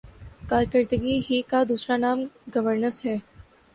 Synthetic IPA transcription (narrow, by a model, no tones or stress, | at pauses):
kaːɾkəɾt̪əɡiɦikad̪uːsɾanaːmɡɐʋəɾnəsɦɛː